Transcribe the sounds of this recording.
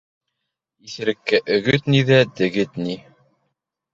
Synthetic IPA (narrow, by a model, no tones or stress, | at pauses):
iθɘ̆ɾɘ̆kːæʔɵ̆ɡɵt̪niðæd̪ɘ̆ɡɘt̪ni